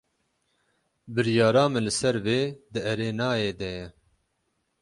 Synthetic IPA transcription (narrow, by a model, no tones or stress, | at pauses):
bɨɾjɑːɾɑːmɨlɨsɛɾveːd̪ɨʔɛɾeːnɑːjeːd̪ɛjɛ